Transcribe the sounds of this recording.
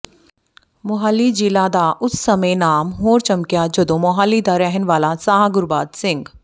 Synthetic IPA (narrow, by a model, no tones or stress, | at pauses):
mʊɦaːlːid͡ʒiːlaːd̪aːʔʊsːɐmenaːmɦoːɾt͡ʃɐmkjad͡ʒɐd̪õːmʊɦaːlid̪aɾɛɦənʋaːlasaːɦaɡʊɾbaːd̪sɪ̃ŋɡ